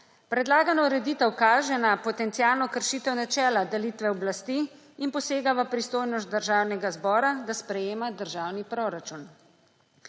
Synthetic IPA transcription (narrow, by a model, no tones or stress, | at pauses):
pɾɛd̪laːɡanɔɾɛd̪iːt̪əwkaːʒɛnapɔt̪ɛnt̪sijaːlnɔkəɾʃit̪əwnat͡ʃɛːlad̪ɛliːt̪ʋɛɔblast̪iː | inpɔseːɡaʋapɾist̪oːjnɔst̪̚d̪əɾʒaːwnɛɡazbɔːɾad̪aspɾɛjeːmad̪əɾʒaːwnipɾoɾat͡ʃun